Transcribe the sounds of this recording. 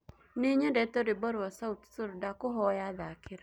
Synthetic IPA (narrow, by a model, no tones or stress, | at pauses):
neɲɛdɛtɔɾɪbɔɾwɔsaut̪suɾdakʊɦɔjaðakʰɪɾa